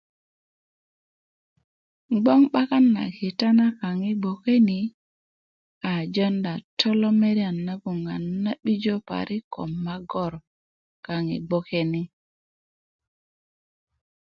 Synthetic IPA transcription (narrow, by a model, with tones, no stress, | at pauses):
ɡ͡bɔ˦ŋɓa˦ka˦nːa̰˨ki˨ta˦na˦ka˨ŋi˦ɡ͡bo˨ke˦ni˨ | a˨d͡ʒɔ˦nda˨tʰɔ˦lɔ˦me˦ɾja˨nːa˦ɡu˨ŋa˨nːa˦ɓi˦d͡ʒo˦pa̰˨ɾʔi˦kɔ̰˨mːa˦ɡɔ˦˨ɾ | ka˨ŋḭ˨ɡ͡bo˦ke˦ni˦